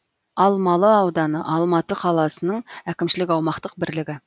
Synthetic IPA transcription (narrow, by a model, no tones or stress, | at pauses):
ɑlˠmɑlˠəɑwd̪ɑnə̰ʔɑlˠmɑt̪əqʰɑlˠɑsənəɴækʲɪmʃɪlɪkʲɑwmɑqt̪əq̚bɪɾlɪɡʲɪ